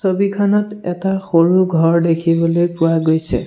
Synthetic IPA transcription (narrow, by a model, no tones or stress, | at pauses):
sobikʰanɔtɛtaxoɹuɡʱɔɹdekʰibɔlojpʊwaɡojsɛ̰